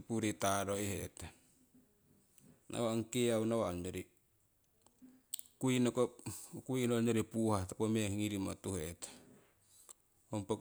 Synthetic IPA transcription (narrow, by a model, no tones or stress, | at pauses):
puɾitaɾoiheta | nʔa̰waoŋkeaunawaoɲoɾi | kuinokokuinoɲoɾipuhatapomehiŋiɾimotuhetḁ | ompok